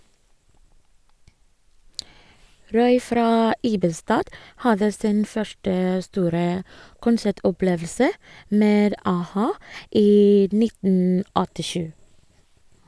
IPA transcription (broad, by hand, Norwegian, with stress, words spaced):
ˈɾɔʏ ˈfɾɑː ˈiːbəstɑːd ˈhɑðə ˈsiːn ˈfœʃʈə ˈstuːɾə kʊnˈsæʈɔˌpleːʋl̩sə ˈmeːd ɑˈhɑː ˈiː ˈnɪtn̩ ɔtɪˈʃʉː